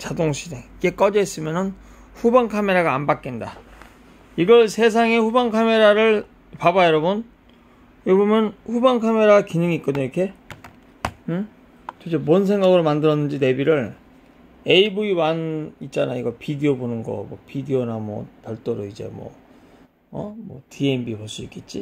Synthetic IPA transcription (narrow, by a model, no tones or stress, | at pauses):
t͡ɕadoŋɕʰideiɡe̞k͈ʌd͡ʑʌis͈ɯmjʌnɯn | ɸubaŋkʰame̞ɾaɡaːnbak͈enda | iɡʌɭsʰe̞s̬ʰaŋe̞ɸubaŋkʰame̞ɾaɾɯɭ | pabajʌɾʌbɯn | jobomjʌnɸubaŋkʰame̞ɾaɡkinɯŋit̚k͈ooiʌkʰe̞ | ɯ | t͡ɕod͡ʑʰemons̬ʰe̞ŋɡaɡɯɾomandɯɾʌnːɯnd͡ʑine̞biɾɯɭ | e̞ibuiwanit̚t͡ɕ͈ana̰jiɡʌpʰidiobonɯnɡʌ̰mwʌ̰pidionamwʌ̰pjʌɭt͈oɾoid͡ʑe̞̰mwʌ̰ | ʌmwʌ̰tienbipoɭs͈uik͈et̚t͡ɕ͈ḭ